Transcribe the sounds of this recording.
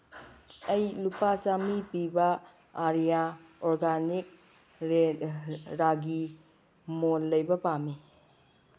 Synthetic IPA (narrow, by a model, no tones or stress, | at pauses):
ɐjlupasamipibɐ | aɾijaoɾɡanik̚ | ɾe | ɾaɡi | molːɐjbɐpami